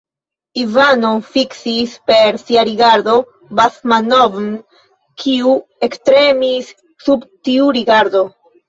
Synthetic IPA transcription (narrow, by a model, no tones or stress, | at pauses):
ivanofiksispe̞ɾsiaɾiɡaɾdo̞ | basmanovn | kʰiue̞kstɾe̞misː | ubtiuɾiɡaɾdo̞